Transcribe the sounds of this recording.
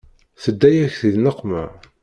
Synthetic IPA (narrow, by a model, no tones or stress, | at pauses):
θəd̪ːæjæçθiðnəqːmæ̰